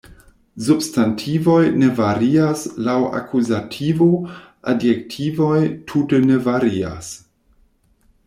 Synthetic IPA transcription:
substantʰivo̞jne̞vaɾiaslawa̰kuzatʰivo | a̰djektʰivo̞jtʰutene̞vaɾia̰s

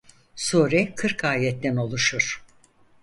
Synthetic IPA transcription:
soːɾɛkʰɯɾkaːjɛt̪ːɛno̞lˠuʃuɾ̥

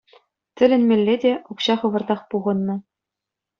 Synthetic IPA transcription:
tʲɘ̆lʲɘ̆nʲmʲelʲːedʲeukɕɑχɤ̆ʋɤ̆rd̪ɑχpuʁɤ̆nːɤ̆

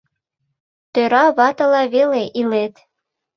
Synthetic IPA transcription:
t̪øɾɑβɑt̪ɤ̆lɑβeleʔilet̪

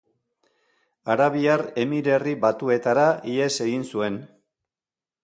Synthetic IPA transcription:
aɾaβiare̞miɾe̞riβat̪ue̞t̪aɾaʔie̞se̞ɣinsue̞n

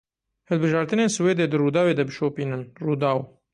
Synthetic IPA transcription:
hɨlbɨʒɑːɾt̪ɨneːnsɨweːd̪eːd̪ɨruːd̪ɑːweːd̪ɐbɨʃoːpiːnɨnruːd̪ɑːw

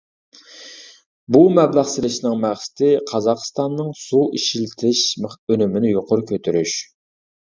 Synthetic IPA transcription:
bumɛblæχsɪlɪʃnɨŋmæχsɪ̥t̪ʰɪqʰɑzɑqst̪ɑnːɨŋsuʔiʃilt̪ʰɪʃmønymɪnɪjoqʊɾʊkʲʰøt̪ʰyɾyʃ

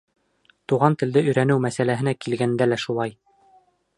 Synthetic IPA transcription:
t̪uʁɑnt̪ɘ̆ld̪ɘɵ̆jɾænɘwmæsælæɦɘ̆nækilɡænd̪ælæʃulˠɑj

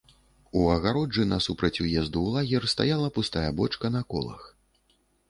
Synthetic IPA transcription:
uɐɣaɾɔd͡ʐɨnɐsupɾɐt͡sʲujɛzd̪uːlˠaɣʲɛrst̪a̰jalˠɐpust̪ajɐbɔt͡ʂkɐnɐkɔ̰lˠɐ̰x

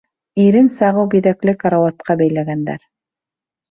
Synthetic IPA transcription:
iɾɘnsɑʁɤwbiðæklɘkaɾawɑt̪̚qɑbæjlæɡænd̪æ̰ɾ

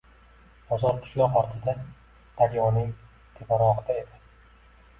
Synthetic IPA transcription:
bɒzɒɾkʰʊ̥ʃlɒqɒɾt̪ʰɪd̪a | d̪̥aɾjɒnɪŋ | t̪ʰepaɾɒʁɨd̪ae̞d̪ɪ

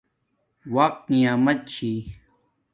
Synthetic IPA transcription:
waːk̚nijaːmɐt̪̚t͡ɕʰi

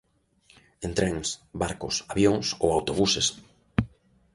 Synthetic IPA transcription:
ent̪ɾɛŋsbaɾkʊsaβjoŋsowawt̪oβuses

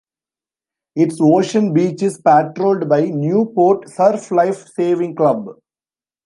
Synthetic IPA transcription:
ɪʈsoːʃə̃nbiːt͡ʃɪspæʈɾoːlɖbaɪnjuːpoːɾʈsəɾflaɪfseːʋɪ̃ŋklʌb

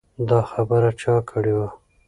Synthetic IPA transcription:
d̪ɑxabəɾat͡ʃɑkʰəɽewa

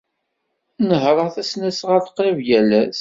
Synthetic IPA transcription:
nəɦɾˤɑθæsnæsʁaθqɾəvjælæs

